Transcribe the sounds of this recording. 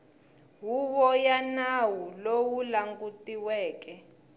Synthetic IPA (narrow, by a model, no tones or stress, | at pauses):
ɦuβɔjanawulowulaŋɡutʼiwɛːk̬ʼɛ